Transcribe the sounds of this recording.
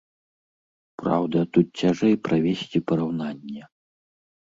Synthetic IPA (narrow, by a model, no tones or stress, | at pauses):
pɾa̰wd̪ɐt̪ut̪̚t͡sʲaʐɛjpɾavʲesʲt͡sʲipɐɾawnanʲːɛ